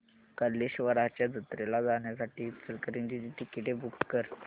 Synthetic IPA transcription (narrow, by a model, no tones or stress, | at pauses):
kəɾleɕʋəɾat͡ɕjad͡zət̪ɾelad͡zaɳjasaʈiːt͡səlkəɾind͡ʑid͡ʑiʈ̪ikiʈ̪ʰebukskəɾ